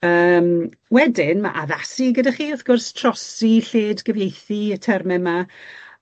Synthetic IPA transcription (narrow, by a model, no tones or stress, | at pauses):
əːm | wɛdɪnma̰ʔaðasiɡədaχiːʊθɡ̥ʊrstʰrɔsiɬeːdɡəvejθiətʰɛrmɛma